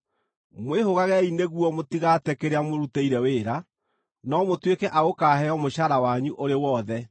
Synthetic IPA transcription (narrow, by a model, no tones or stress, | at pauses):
mwehoɣaɣɛineɣuɔmotiɣatɛkeɾeamoɾuteiɾɛweːɾa | nɔmotwekɛʔaɣokaːɦɛɔmoʃaɾawaɲuʔoɾewɔðɛ